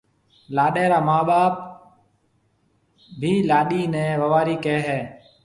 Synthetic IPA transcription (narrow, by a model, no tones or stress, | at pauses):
laːɗeːɾaːmaːɓaːp | bʱiːlaːɗiːneːʋəʋaːɾiːkeːɦɛː